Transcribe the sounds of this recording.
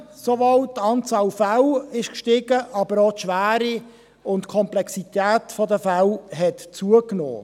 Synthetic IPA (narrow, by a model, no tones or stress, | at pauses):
sovaltːɑnt͡sɑːlfawɪʃkʃtɪɡəʔɑbəɾotʃʋæːɾi | ʊntkʰɔmplɛksit̪æːtfɔdəfalɦɛtt͡suəkno̰ː